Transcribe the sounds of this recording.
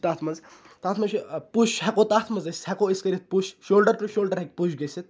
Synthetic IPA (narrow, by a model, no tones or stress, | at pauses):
t̪aːt̪ʰmɐz | t̪aːt̪ʰmɐʃipuʃɦɐkoːt̪aːt̪ʰmɐzɐsʲt̪hɐkoːiskɐɾʲit̪̚puʃʃoːlɖɐɾʈuʃoːlɖɐɾɦɐk̚ʲpuʃɡɐsit̪̚